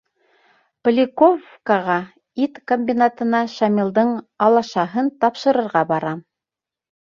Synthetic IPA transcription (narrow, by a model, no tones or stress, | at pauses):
plʲɪkofkaʁɑ | it̪komʲbʲinat̪ɤ̆nɑʃɑmʲilˠd̪ɤɴ | ɑlˠɑʃɑɦɤnt̪ɑpʃɤ̆ɾɤ̆ɾʁɑbɑɾɑ